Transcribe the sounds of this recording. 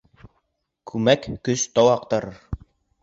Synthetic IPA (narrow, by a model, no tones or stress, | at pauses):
kʰʉmækːɵst̪ɑwɑq̚t̪ɑɾɤɾ